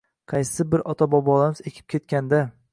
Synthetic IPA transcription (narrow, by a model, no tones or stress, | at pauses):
qʰɑjsɪbɪɾɒt̪ʰabɒbɒlˠamɪzekʲʰɪ̥p̚kʲʰe̞t̪̚kʲand̪a